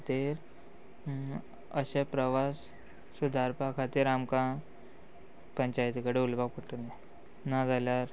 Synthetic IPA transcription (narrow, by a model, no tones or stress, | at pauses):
at̪iɾ | ə̰ɕepɾəʋasː | ud̪ʱaɾpakʰat̪iːɾamkã | pəɲt͡ɕajt̪ikəɽeulbak̚pəʈəlẽ | nad͡zʱaljaɾ